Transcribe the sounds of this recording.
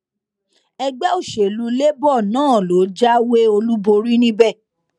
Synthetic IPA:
ɛ˧ɡ͡bɛ˦o˦˨ʃe˨lu˨˧le˦bɔ˦˨nãː˦˨lo˨˦d͡ʒa˦we˦o˧lu˦bo˧ɾi˦nĩ˦bɛ˦˨

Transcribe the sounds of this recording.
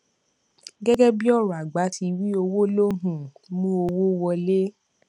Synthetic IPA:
ɡɛ˦ɡɛ˦bi˦ɔ˦˨ɾɔ˨a˨ɡ͡ba˨˦tʰi˧wi˦o˧wo˦lo˦ɦũ˦mũ˦o˧wo˦wɔ˧le˦

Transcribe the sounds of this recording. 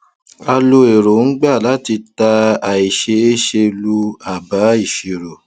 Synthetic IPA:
a˧lo˧e˨ɾo˨ŋ̩˦ɡ͡ba˦˨la˨˦ti˧ta˧a˨i˨ʃe˧e˦ʃe˧lu˧a˨ba˨˦i˦˨ʃi˨ɾo˨

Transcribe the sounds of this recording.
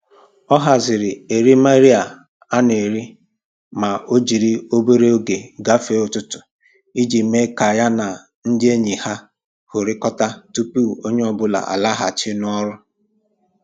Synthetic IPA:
ɔ˦ɦa˨zɪ˨ɾɪ˨e˨ɾi˦ma˦ɾi˦a˨ | a˦ne˨ɾi˦ | ma˨o˦d͡ʒi˨ɾi˦o˦be˦ɾe˦o˦ɡe˨ɡa˦fe˦ʊ˨tʊ˦tʊ̥˨ | i˦d͡ʒi˨me˦ka˨ja˦na˨ | n̩˦dɪ˦e˦ɲi˨ha˦ | hʊ˨ɾɪ˦kɔ˦ta˦tu˦pu˦˨o˦ɲe˦ɔ˦bʊ˦la̰˨a̰˨la˦ɦa˨t͡ʃɪ˦n˦ɔ˦ɾʊ˦

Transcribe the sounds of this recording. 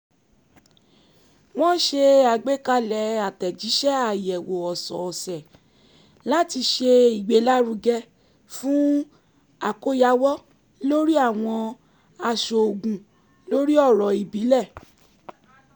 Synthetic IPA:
w̃ɔ̃˦ʃe˧a˨ɡ͡be˦ka˧lɛ˨˦a˨tɛ˨d͡ʒi˨˦ʃɛ˦a˦˨jɛ˨wo˨ɔ˨sɔ̰̃˨ɔ˨sɛ˨ | la˦ti˧ʃe˧i˨ɡ͡be˨˦la˦ɾu˧ɡɛ˧ | fũ˦ | a˨ko˦ja˦wɔ˦ | lo˦ɾi˦a˦˨w̃ɔ̃˧ | a˧ʃo˨o˨ɡũ˨ | lo˦ɾi˦ɔ˦˨ɾɔ˨i˨bi˨˦lɛ˦˨

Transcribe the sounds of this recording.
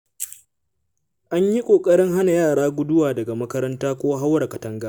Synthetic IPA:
ʔa˦ɲji˦kʷʼoː˨kʼɐ˦ɽɪ˦ŋɦa˦na˨jaː˦˨ɽaː˦ɡʷʊ˦dʊ˦waː˨dɐ˨ɡa˨mɐ˦kɐ˦ɾɐ˦ntaː˦kʷoː˦ɦa˦wɽa˨kɐ˨tɐ˦ŋɡaː˦

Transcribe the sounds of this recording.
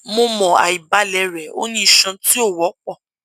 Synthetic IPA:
mo˧mɔ̃˨a̰˨i˨ba˨˦lɛ˨˧˦ɾɛ˨o̰˦nĩ˦i˦˨ʃã˧ti˦o˦˨wɔ˨˦k͡pɔ˦˨

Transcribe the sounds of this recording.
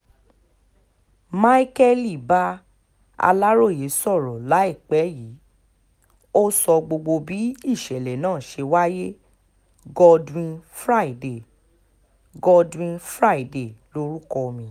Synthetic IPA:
ma˦i˦kɛ˦li˨ba˦ | a̰˧la˦ɾo˦˨je˨˦sɔ˦˨ɾɔ˨la˨˦i˦˨k͡pɛ˨˦ji˨˦ | o˦sɔ˧ɡ͡bo˧ɡ͡bo˧bi˨˦i˦˨ʃɛ˨lɛ˨nãː˦˨ʃe˧wa˦je˦ | ɡɔ˧dwĩ˧nfɾa˦i˨de˨ | ɡɔ˧dwĩ˧nfɾa˦i˦˨de˨lo˦ɾu˦kɔ˧mĩ˧

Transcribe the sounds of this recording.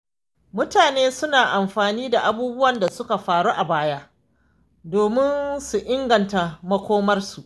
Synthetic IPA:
mʊ˦taː˨neː˦sʊ˦naː˨ʔa˨mɸaː˨niː˦da˨ʔa˨buː˦bʊ˦wɐ˨nda˨sʊ˦ka˨ɸaː˨ɽu˦ʔa˨baː˦ja˦ | doː˨mɪ˦nsu˨ʔɪ˦ŋɡɐ˨nta˨mɐ˦kʷoː˦mɐ˦rsu˨ʔ

